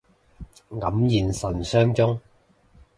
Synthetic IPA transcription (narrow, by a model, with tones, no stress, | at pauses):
ŋɐ˨˥mjiː˨˧nsɐ˨˩nsœː˥ŋt͡sʊ˥ŋ